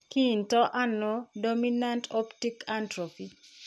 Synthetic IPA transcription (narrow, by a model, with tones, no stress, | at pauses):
ki˦˨ntɔ˦ʔa˦nɔ˦do˦mina˦ntɔ˦pti˦ka˦ntɾo˨pi˨